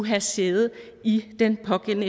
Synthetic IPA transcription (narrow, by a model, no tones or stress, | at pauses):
uɦæse̝ð̩ˠ | id̥enpʰɒ̽ɡ̥en̰ə